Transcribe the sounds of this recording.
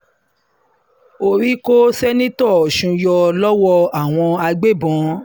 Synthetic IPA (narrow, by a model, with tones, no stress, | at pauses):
o˨ɾi˦ko˦sɛ˦nĩ˦tɔ˦˨ɔ˨ʃũ˧jɔ˧lɔ˦wɔ˧a˨w̃ɔ̃˧a˧ɡ͡be˦˨bɔ̃˨˦